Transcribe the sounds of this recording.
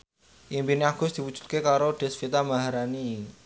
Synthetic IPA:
ʔimbineaɡ̥ʊ̤sd̪̥i̤pu̥d͡ʒ̥u̥t̪̚kekaɾoɖ̪̥ɛ̤sfit̪amaɦaɾani

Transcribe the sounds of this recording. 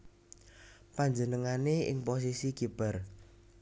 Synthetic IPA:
paɲd͡ʒənəŋaneʔɪ̰ŋpos̬isiɡ̥ib̥ə̤r

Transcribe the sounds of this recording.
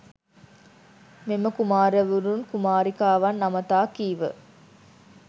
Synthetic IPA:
meməkumaːɾəʋuɾunkumaːɾikaːʋɐnːɐmɐt̪aːkiːʋə̰

